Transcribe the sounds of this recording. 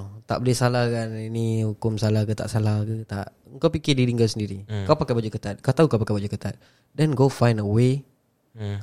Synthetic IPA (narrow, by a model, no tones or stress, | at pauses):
t̪a̰ʔbəlɪhsalahkaninihukʊmsalakət̪a̰ʔsalahkət̪a̰ʔ | əŋkawpikɪdiɾiŋkawsəndiɾikawpakabad͡ʒukət̪at̪̚kaut̪aukawpakabad͡ʒukət̪at̪̚ | dɛnɡofajndəwe